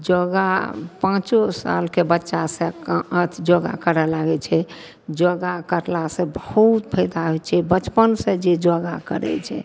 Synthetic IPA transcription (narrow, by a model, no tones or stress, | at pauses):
d͡ʒoɡa̰pãt͡ʃosa̰lkebətːʃasẽkət̪ʰd͡ʒoɡa̰kəɾɛlaɡɛt͡ʃʰɛ | d͡ʒoɡakəɾlasẽbəhut̪pʰəɪd̪aɦojt͡ʃʰɛbət͡ʃpənsẽd͡ʒed͡ʒoɡakə̰ɾɛ̰t͡ʃʰɛ̰